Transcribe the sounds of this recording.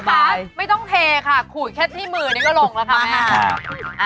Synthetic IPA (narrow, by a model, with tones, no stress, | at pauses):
baː˧˩jma˥˩jt̪ɔ˥˩ŋt̪ʰeː˧kʰa˥˩kʰuː˨˩jkʰɛ˥˩t̪ʰːiː˥˩mɯː˧niː˧˩kɔː˥˩lo˧ŋla˦˥kʰa˦˥mɛː˧a˥˩